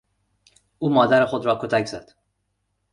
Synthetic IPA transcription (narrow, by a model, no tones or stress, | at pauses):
ʔuːmɒːd̪æɾexod̪ɾɒːkʰot̪ʰæcz̥æ̰d̪̥